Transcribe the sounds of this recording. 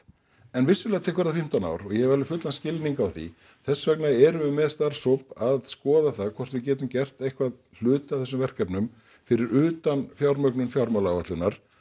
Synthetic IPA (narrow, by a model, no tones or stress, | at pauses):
ɛnvɪsːʏlɛːat̪ʰɛːkvɛɾðafɪm̥t̪ana̰wɾɔɣjɛhɛvalʏfʏt̪lanscɪlniŋkawθḭ | θɛsːvɛknaɛɾʏʏmɛðst̪ar̥sopaðskɔːðaθaðkʰvɔr̥t̪vɪðc̬ɛːt̪ʏmcɛr̥t̪ejhkvað | l̥ʏːt̪ɪawθɛsːʏmvɛr̥kɛpnʏm | fɪɾɪɾʏːt̪anfjawɾmœknʏnfjawɾmalavat̪lʏnaɾ̥